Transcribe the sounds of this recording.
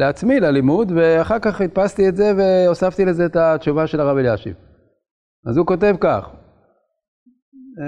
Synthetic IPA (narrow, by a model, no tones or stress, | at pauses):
leat͡smilalimud̪ve̞aχaʁkaχit̪̚past̪ietze̞ve̞osaft̪ilezeːt̪at̪ʃuvaʃe̞laʁaveljaʃḭv | azuko̞t̬e̞vkaχ